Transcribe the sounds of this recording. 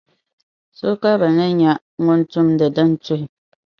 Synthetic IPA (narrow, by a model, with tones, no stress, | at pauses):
so˦ka˦ba˨nɨ˦ɲa˦ | ŋʊ˦n˦tʊ˦mdɨ˨dɨ˦n˦tʊ˦hɪ˨